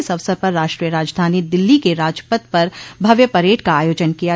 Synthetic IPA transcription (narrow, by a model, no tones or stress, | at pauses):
ɪsɐʋsəɾpɐɾːaːʃʈɾiːjəɾaːd͡ʒd̪ʱaːnid̪ɪlːikeɾaːd͡ʒpət̪pɐɾbʱɐʋjəpɐɾeːʈkaaːjoːd͡ʒənkija